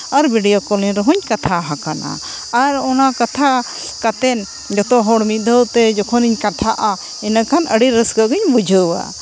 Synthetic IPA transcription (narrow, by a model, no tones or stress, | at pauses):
aɾbiɖijokɔliɲɾɔɦuɲkat̪ʰaɦakana̰ | aɾɔnakat̪ʰa | kat̪ɛn | d͡ʒɔt̪ɔɦɔɽmid̪ʱəwt̪ɛd͡ʒɔkʰɔniɲkat̪ʰaʔa | ɛnakʰanə̰ɽiɾəsɡəɡiɲbud͡ʒʱəwa̰